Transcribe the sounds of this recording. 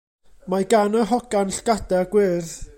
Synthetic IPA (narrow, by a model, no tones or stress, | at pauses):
maɡanəɦɔɡanɬɡ̥adɛaɡ̥wɪrð